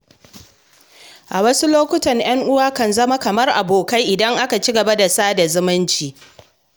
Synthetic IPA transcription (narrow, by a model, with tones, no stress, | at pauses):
ʔa˨wɐ˦su˦loː˦kʷʊ˦tɐ˨ɲj̰ɐ˦ŋʔʊ˦waː˦kɐ˨nzɐ˦ma˦kɐ˨mɐ˦rʔa̰˨boː˨ka˦jʔɪ˨dɐ˦ŋʔa˦ka˨t͡ʃi˦ɡɐ˨ba˦da˨saː˦da˨zʊ˦mɪ˦nt͡ʃiː˨